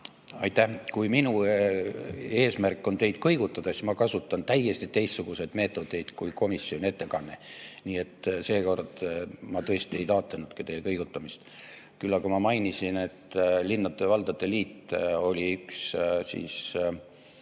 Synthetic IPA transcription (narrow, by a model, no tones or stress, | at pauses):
ɑjt̪ːæhkujminu | e̞ːsmærkːˑo̞nt̪e̞jd̪̥kɤjɡut̪ːˑɑd̪̥ɑsmɑkɑsut̪ːˑɑnt̪æjːe̞st̪it̪ːe̞jst̪suɡ̥use̞d̪̥me̞ːt̪ːˑo̞d̪e̞jd̪̥kujko̞misːjo̞nʲie̞t̪ːe̞kɑnːe̞̰niːe̞t̪ːse̞ːko̞rd̪̥mɑt̪ɤest̪ie̞jt̪ɑːt̪ˑlenud̪̥kɑt̪e̞jlkɤjɡut̪ːˑɑmist̪ | kylːɑkumɑmɑjnisine̞t̪linːɑd̪̥evɑld̪̥ɑd̪̥e̞liːt̪ːˑo̞lʲiykssḭːs